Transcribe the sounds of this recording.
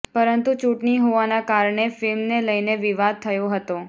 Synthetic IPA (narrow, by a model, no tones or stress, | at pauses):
pəɾənt̪ut͡ʃuʈɳiɦoʋanakaɾɳefɪlmneləjneʋiʋad̪̚t̪ʰəjoɦət̪o